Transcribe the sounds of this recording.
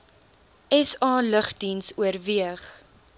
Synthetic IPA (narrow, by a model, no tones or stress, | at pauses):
ʔɛsɑːləχdinsuərviəχ